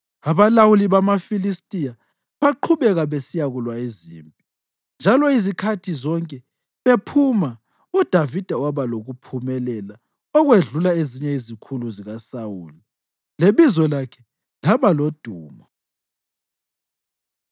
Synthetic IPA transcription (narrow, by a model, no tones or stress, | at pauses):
aβalawuliβamafilistʼija | βaǃʰuβɛɣaβesijaɣulwaezḭːmpʼi | nd͡ʒʱalɔizikʰatʰizɔŋkʼɛ | βepʰuma | ud̥ʱavid̥ʱawaβaloɣupʰumɛlɛla | ɔɣweɮulaeziɲɛizikʰuluziɣasawuːli | leβizɔlakʰɛ | laβalod̥ʱuːmɔ